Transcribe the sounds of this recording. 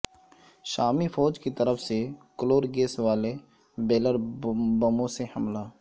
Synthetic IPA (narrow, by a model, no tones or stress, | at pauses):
ʃaːmifɔːd͡ʒkit̪əɾəfʰsekəloːɾɡeːsʋaːle | beːləɾbɐmõsehɐmlaː